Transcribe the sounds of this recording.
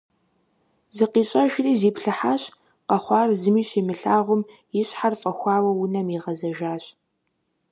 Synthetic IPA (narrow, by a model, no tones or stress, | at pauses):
zɨqiːɕʼɐʒriːziːpɬɨħaːɕ | qɐχʷɑːrzɨmiːɕimɨɬaːʁʷʊm | jɪɕħarfʼɐxʷɑːwɐwʊnɐmiʁɐzɐʒaːɕʼ